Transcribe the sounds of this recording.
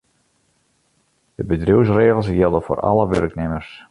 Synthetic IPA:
d̥əbədruws̬reːɣəlˠs̬jɪlˠdəfo̰ːrɑ̰ləʋø̰rknɪmərs

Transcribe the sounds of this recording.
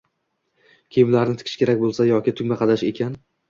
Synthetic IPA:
kʲʰejɪmlaɾnɪt̪ʰɪ̥kʰɪʃkʲʰe̞ɾak̚ʲbolˠsajɒkʲɪt̪ʰʊɡʲmaqʰɑd̪aʃe̞kʲʰan

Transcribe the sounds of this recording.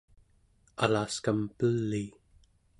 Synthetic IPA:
alaːskampəlːi

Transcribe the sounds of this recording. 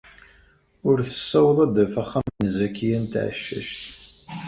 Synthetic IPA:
ʊɾθə̥sːæwðˤæd̪əfaχːamnzækːijænt̪ʕ̰ʃːə̰ʃt̪

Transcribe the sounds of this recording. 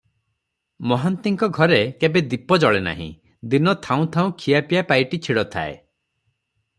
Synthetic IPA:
mɔɦant̪iŋkɔɡʱɔɾekebed̪ipɔd͡ʒɔɭena̰ɦḭ̃ | d̪inɔt̪ʰaũt̪ʰaũkʰijapijapajʈit͡ʃʰiɽɔt̪ʰa̰ḛ

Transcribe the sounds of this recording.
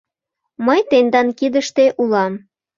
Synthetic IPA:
məjt̪end̪ɑnkid̪əʃt̪eʔulɑm

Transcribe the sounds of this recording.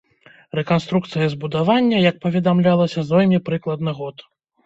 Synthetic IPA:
rɛkanst̪ɾukt̪sɨjɐzbud̪avanʲːɐjɐk̚pɐvʲɛd̪amlʲalˠɐsʲɐzvɔlʲmʲipɾɨklˠɐd̪̚nɨɣɔt̪

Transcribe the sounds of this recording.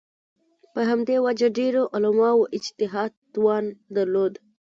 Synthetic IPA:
pəɦamd̪ewad͡ʒaɖeɾoʔʊlamɑwoʔɪd͡ʒt̪ɪɦɑd̪t̪wɑnd̪aɾlod̪

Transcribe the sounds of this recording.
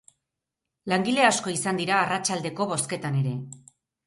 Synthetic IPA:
laŋɡile̞asko̞isand̪iɾaːrat͡ʃald̪e̞ko̞βo̞ske̞t̪ane̞ɾe̞

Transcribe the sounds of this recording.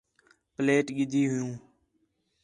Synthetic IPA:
pleːʈɠɪd̪ʱiːɦʊjũː

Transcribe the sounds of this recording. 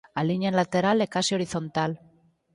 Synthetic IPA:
aliɲanlat̪eɾalekasio̞ɾiθo̞nt̪al

